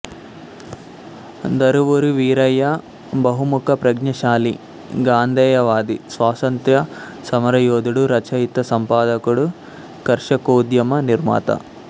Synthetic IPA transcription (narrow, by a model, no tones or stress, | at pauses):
d̪ɐɾuʋuɾuʋiːɾɐjɐ | bɐɦumukʰɐpɾɐɡɲɐʃaːli | ɡaːnd̪ɛːjɐʋaːd̪isʋaːsɐnt̪jɐ | sɐmɐɾɐjoːd̪uɽuɾɐt͡ʃɐjit̪ɐsɐmpaːd̪ɐkuɽu | kɐɾʂɐkoːd̪jɐmɐniɾma̰ːt̪ɐ̰